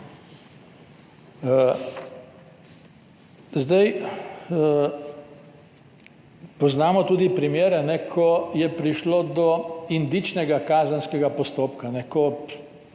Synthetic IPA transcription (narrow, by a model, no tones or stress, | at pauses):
zd̪aj | pɔznaːmɔt̪uːd̪ipɾimjeːɾɛnɛkʰɔjɛpɾiʃlod̪ɔind̪it͡ʃnɛɡakaːzənskɛɡapɔst̪oːpkanɛkɔ